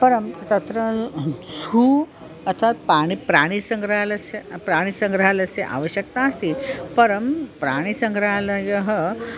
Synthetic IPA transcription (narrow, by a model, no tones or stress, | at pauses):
pɐɾɐmt̪ɐt̪ɾɐd͡zʱuː | ɐt͡ʃʰat̪̚paːɽ̃ipɾaːɽ̃isɐ̃ŋɡɾɦalɐsepɾaːɽ̃isɐ̃ŋɡɾɦalɐseʔa̰ːʋəɕjɐk̚t̪aːst̪ʰiːpɐɾɐmpɾaːɽ̃isɐŋɡɾɦalɐjɐɦə